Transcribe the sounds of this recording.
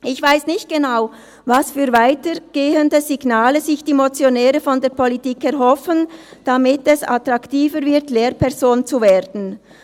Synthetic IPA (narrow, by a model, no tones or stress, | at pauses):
ʔɪçv̥aɪsnɪçt̚ɡ̥enaʊ | vasfyːɾvaɪtəɡ̥eːəndəziɡnaːləzɪçd̥iːmot͡sjonɛːɾəfɔndeːɐpʰɔlitiːkɛɾɦɔfənd̥amɪtɛsa̰tʁɑktiːvəɾvɪɾtleːɾpʰɛʁzoːnt͡suveːʁdn̩